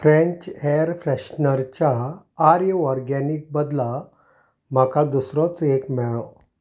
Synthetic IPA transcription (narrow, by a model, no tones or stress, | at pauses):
fɾẽɲt͡ɕeəɾfɾɛɕnəɾt͡ɕaː | ɾjəɔɾɡɛnik̚bəd̪la | m̤akad̪usɾɔt͡sekmɛɭɔ